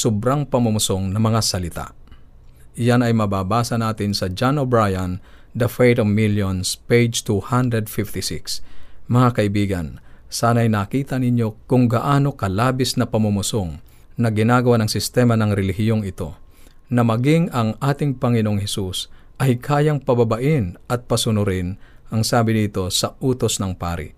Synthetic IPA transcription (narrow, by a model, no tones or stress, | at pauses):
sʊbɾaŋpɐmʊmʊsoŋnɐmɐŋasɐlɪt̪a̰ʔ | ɪjanɐjmɐbaːbaːsɐnaːt̪ɪnsɐd͡ʒanobɾajɐn | d̪ɐfejt̪ovmiljonspejd͡ʒt̪uhand̪ɾɛd̪fɪft̪ɪsɪ̰ksmɐŋakɐʔɪbiːɡɐ̰nsaːnɐɐjnakiːt̪ɐnɪɲjo̞kʊŋɡɐʔaːno̞kɐlaːbɪsnɐpɐmʊmʊsoŋ | nɐɡɪnaːɡɐwanɐŋsɪst̪ɛmɐnɐŋɾɛlɪhɪjo̞ŋɪt̪o̞̰ | nɐmɐɡɪŋɐŋʔaːt̪ɪŋpɐŋɪnoʔoŋhɛsus | ʔɐjkʰaːjɐŋpɐbɐbɐʔɪnɐt̪̚pɐsʊnʊɾɪnʔɐŋsaːbɪnit̪o̞sɐʔuːt̪o̞snɐŋpa̰ːɾɪ̰ʔ